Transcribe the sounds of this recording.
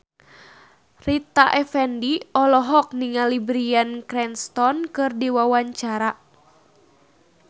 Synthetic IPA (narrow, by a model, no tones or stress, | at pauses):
rit̪aʔɛfɛndiɔlɔɦɔk̚niŋalibɾiankɾɛnst̪ɔnkɨrdiwawaɲt͡ʃaɾa